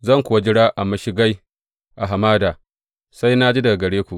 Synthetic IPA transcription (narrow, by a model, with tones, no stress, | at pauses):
zɐ˦˨ŋkʷʊ˨wa˦d͡ʒɪ˦ɽaː˦ʔa˨mɐ˨ʃi˦ɡa˦j | ʔa˨ɦa˨maː˦daː˨ | sa˦jna˦d͡ʒi˦da˨ɡɐ˨ɽeː˦kʷu˨ʔ